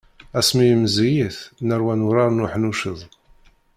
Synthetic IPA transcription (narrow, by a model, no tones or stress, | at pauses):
æsmijəmzijəθnəɾwænuɾɑɾnuħnuʃəðˤ